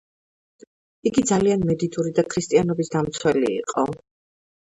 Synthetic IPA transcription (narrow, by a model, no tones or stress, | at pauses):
iɡid̪zalianmɛd̪id̪ʼuɾid̪akʰɾist̪ʼianɔbisd̪amt̪sʰwɛlḭːqʼɔ